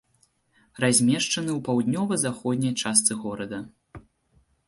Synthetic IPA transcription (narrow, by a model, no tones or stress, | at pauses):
razʲmʲɛʂt͡ʂɐnɨwpawd̪ʲnʲɔvɐzaxɔd̪ʲnʲɐjt͡ʂast̪sɨɣɔɾɐd̪ɐ